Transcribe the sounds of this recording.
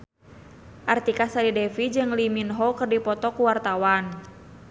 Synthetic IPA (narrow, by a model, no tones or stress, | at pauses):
ʔart̪ikasalidɛfid͡ʒɨŋliminɦɔkərdipɔt̪ɔkuwart̪awan